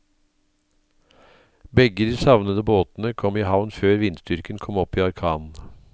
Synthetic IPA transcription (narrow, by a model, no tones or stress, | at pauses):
bɛɡəd̪iːsɑʋnəd̪əboːt̪n̩əkʰɔmiːhɑʋnføːɾʋɪnsd̪ʏɾkənkʰɔmɔpiːɑɾkʰɑːnn̩